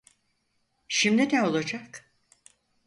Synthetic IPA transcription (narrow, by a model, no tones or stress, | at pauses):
ʃimd̪inɛo̞lˠad͡ʒak